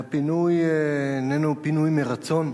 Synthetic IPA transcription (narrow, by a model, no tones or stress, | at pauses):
pinujnenupinujmeʁat͡so̞n